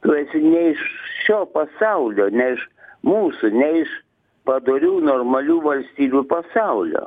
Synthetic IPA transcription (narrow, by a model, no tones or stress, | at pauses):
t̪ʊɛsʲɪnʲɛɪʃʃʲoːpɐsɑʊlʲoːnʲɛɪʃmuːsʊnʲɛɪʃ | pɐd̪oːɾʲuːnoːrmɐlʲuːʋɐlʲsʲt̪ʲiːbʲupɐsɑʊlʲo̰ː